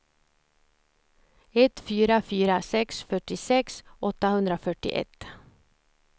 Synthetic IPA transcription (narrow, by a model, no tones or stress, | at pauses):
ɛt̪fyːɾafyːɾasɛksfœʈːɪsɛksɔt̪ːahɵnd̪ɾafœʈɪ̰ʔɛ̰t̪